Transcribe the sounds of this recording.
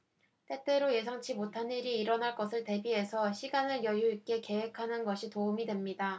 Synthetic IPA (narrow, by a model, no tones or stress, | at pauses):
t͈e̞t͈e̞ɾoje̞sʰaŋt͡ɕʰimotʰaniɾiːɾʌnɦaɭk͈ʌsʰɯɭte̞biɦe̞sʰʌɕʰiɡanɯɭjʌjoik͈e̞ke̞we̞kʰanɯnɡʌɕʰitoumidwe̞mɲida